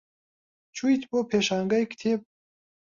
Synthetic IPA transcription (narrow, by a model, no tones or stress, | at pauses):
t͡ʃʰujt̪bopʰeːʃaːŋɡɐjkt̪ʰeːp̚